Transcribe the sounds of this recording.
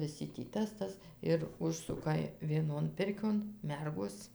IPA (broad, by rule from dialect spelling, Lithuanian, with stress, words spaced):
ʋʲɪˈsʲɪ tʲiː ˈtɐs ˈtɐs ɪr ˈʊʃsʊkɐ ʋʲiɛˈnoːn ˈpʲɪrʲkʲoːn ˈmʲɛrɡoːs